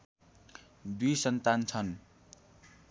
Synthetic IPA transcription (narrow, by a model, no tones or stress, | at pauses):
d̪ujsʌnt̪ant͡sʰʌn